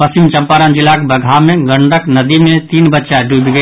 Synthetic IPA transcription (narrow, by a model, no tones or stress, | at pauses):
pɐsimt͡ʃɐ̃mpaːɾə̃nd͡ʒɪlaːkbɐɡʱamẽɡə̃ɳɖəknɐd̪imẽt̪iːnbɐtːt͡ʃaɖʱud̪ɡə